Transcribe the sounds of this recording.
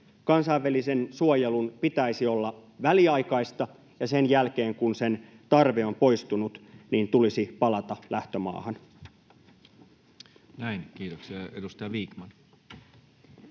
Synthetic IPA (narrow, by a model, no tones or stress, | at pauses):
kɑnsɑiʋːælisensuojelunpit̪æisio̞lːɑʋæliɑikɑist̪ɑ | jɑsenjælk̟e̞ːŋkunsen | t̪ɑrʋeo̞mpo̞jst̪unut̪niːnt̪ulisipɑlɑt̪ɑlʔæht̪ømɑ̰ːhɑn | næinkiːt̪oksiɑedust̪ɑjɑʋiːkmɑn